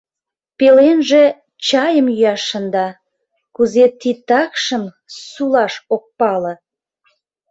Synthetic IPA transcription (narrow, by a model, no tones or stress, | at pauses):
pelenʒe | t͡ɕɑjəmjyɑʃːənd̪ɑ | kuzet̪it̪ɑkʃəm | sulɑʃok̚pɑlə̆